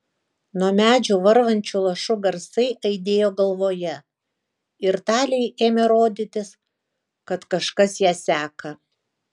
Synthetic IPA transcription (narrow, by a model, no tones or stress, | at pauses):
nuɔmʲæːd͡ʒʲuːʋɐɾʋɐnʲt͡ʃʲuːlˠɐʃʊɡɐɾsɐɪʔɐɪd̪ʲeːjoːɡɐlˠʋoːjɛ | ɪɾt̪ɑːlʲɛɪʔeːmʲeɾoːd̪ʲɪt̪ʲɪs | kɐt̪kɐʃkɐsjæːsʲæːkɐ